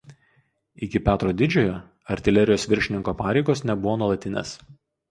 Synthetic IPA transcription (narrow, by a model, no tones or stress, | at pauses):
ɪkʲɪpʲæːt̪ɾoːd̪ʲɪd͡ʒʲoːjoː | ɐɾʲt̪ʲɪlʲɛɾʲɪjoːsʋʲɪɾʲʃʲɪnʲɪŋkoːpɑːɾʲɛɪɡoːsnʲɛbʊʋoːnuɔlˠɐt̪ʲɪnʲḛːs